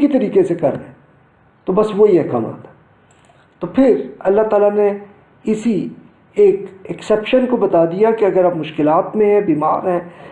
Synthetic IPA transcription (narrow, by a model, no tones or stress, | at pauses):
kit̪ɐɾiːkesekɐɾeɛ̃ | t̪obɐsʋoiɦɛka̰ːma̰ːt̪ɛ̥ | t̪opʰɪɾɐlːat̪aːlane | ɪsi | eːkɛksɛːpʃənkobɐt̪ad̪ijakeɐɡəɾapmʊʃkɪlaːt̪mẽɦɛ̃biːma̰ːɾɦɛ̃ː